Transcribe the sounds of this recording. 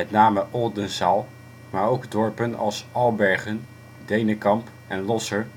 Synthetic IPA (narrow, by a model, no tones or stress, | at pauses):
mɛtnaːməʔɔldənsalˠ | maːɹowɡdɔɹpənɑ̰lˠsɑlˠbɛɹχən | dejnəkɑmp | ɛnlɔsəɹ